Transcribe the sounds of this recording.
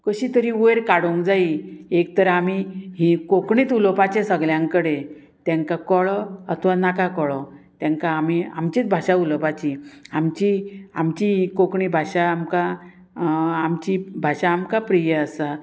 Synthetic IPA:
kəɕit̪əɾiueɾkaɽoŋkd͡zaiek̚t̪əɾamiɦikokɳiːt̪ulɔpat͡ɕẽsəɡljãŋkəɽe | t̪jãŋkakɔɭɔət̪ʰʋanakakɔɭɔt̪jãŋkaːmia̰mt͡ɕit͡sbʱaɕaulɔpat͡ɕiamt͡ɕiamt͡ɕiɦikokɳibʱaɕaːmka | amt͡ɕibʱaɕaːmkapɾijəːsa

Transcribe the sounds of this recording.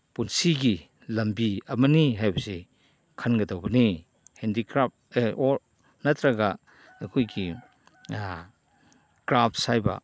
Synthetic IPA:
punsiɡi | lɐmbiɐmɐniɦajbɐse | kʰanɡɐdawbɐni | hendikɾap̚oɾ | nat̪ʰɾaɡa | ɐkʰojɡi | kɾap̚ʰsajba̰

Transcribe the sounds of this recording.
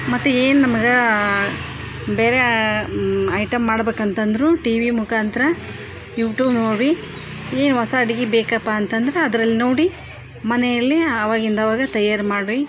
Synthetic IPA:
mɐt̪ːueːnunɐmɐɡe | be̞ːɾe | ɐjʈɐmːaːɽbeːkɐnt̪ɐnd̪ɾuʈiːʋimukʰaːnt̪ɐɾɐ | juːʈjuːbnoːɽi | e̞ːnuʋɐsɐːɽiɡibeːkɐpːaːnt̪ɐnd̪ɾeɐd̪ɐɾɐlːino̞ːɽi | mɐnɛjɐlːiɐʋaːɡind̪ɐʋaːɡɐt̪ɐjːaɾmaːɽli

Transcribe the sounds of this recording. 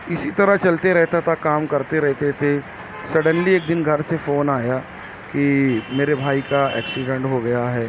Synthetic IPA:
ɪsit̪ɐɾəɦt͡ʃɐlt̪eɾɛɦt̪at̪ʰakaːmkɐɾt̪eɾɛɦt̪et̪ʰe | sɐɽənlieːk̚d̪ɪnɡʱɐɾsefoːnaːja | kimeːɾebʱaːikaɛ̰ːksɪɖɛ̃ɳʈɦoɡɐjaɦɛː

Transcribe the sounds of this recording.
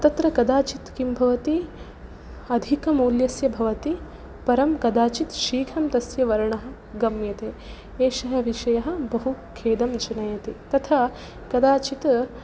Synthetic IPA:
t̪ɐt̪ɾɐkɐd̪aːt͡ʃit̪kimbʱɐʋɐt̪i | ɐd̪ʱikɐmuːljɐsjɐbʱɐʋɐt̪i | pɐɾɐmkɐd̪aːt͡ʃit̪ʃiːɡʱʰɐmt̪ɐsjɐʋɐɾɐɳɐɦɐ̆ | ɡɐmjɐt̪eː | eːʃɐɦɐʋiʃɐjɐɦɐ̆bɐɦukʰeːd̪ɐmd͡ʒɐnɐjɐt̪et̪ɐt̪ʰa | kɐd̪aːt͡ʃit̪

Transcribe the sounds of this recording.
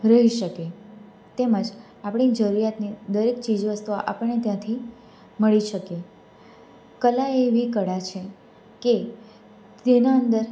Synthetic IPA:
ɾəɦiʃəke | t̪eməd͡ʒ | apəɽ̃id͡ʒəɾuɾjat̪nid̪əɾekt͡ʃid͡ʒʋəst̪uaʔapəɳːet̪jãt̪ʰi | məɭiʃəke | kəlaeʋikəɽat͡ʃʰe | ke | t̪enaənd̪əɾ

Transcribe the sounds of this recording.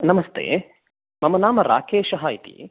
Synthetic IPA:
nɐmɐst̪ʰḛː | mɐmɐnaːmɐɾa̰ːkʰeːʃɐɦaːit̪ḭ

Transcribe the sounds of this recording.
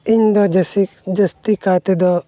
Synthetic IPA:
iɲd̪ɔd͡ʒsid͡ʒəst̪ikat̪ɛd̪ɔ

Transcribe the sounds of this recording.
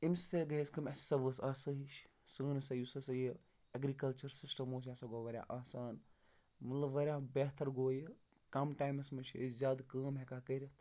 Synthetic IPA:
imseɡɐeskɐmɐsɐʋəsaːsɐɦiʃ | səːnsɐjusɐsɐji | ɐɡɾikɐlt͡ʃɐɾsisʈɐmoːs̬jasɐɡoːʋɐɾʲa̰ʔaːsaːn | mɐt̪lɐbʋɐɾʲjaːbeːt̪ʰɐɾɡoːjɨ | kɐmʈaːjmɐsmɐt͡ʃʰizʲjaːd̪kaːmɦekaːkɐɾʲɐt̪ʰ

